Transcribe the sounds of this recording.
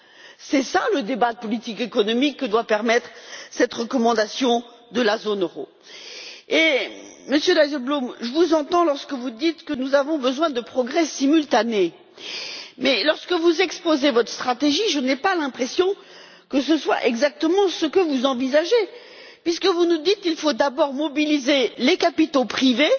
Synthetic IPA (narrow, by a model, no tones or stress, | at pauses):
sɛsaləd̪ebad̪əpɔlit̪ikekɔnɔmikːəd̪wapɛʁmɛt̪χsɛt̪ʁəkɔmɑ̃d̪asjɔ̃ | d̪əlazonøʁo̰ | eməsjød̪ajzɛlblomʒəvuzɑ̃t̪ɑ̃lɔʁskəvud̪it̪kənuzavɔ̃bəzwɛ̃d̪əpχɔɡʁɛsimylt̪ane | mɛlɔʁskəvuzɛkspozevɔt̪χə̥st̪χat̪eʒiʒənɛpalɛ̃pχesjɔ̃ | kəsəswa̰ʔɛɡzak̚t̪əmɑ̃səkəvuzɑ̃vizaʒe | pɥiskəvunud̪it̪ilfod̪abɔʁmɔbilizelekapit̪opχive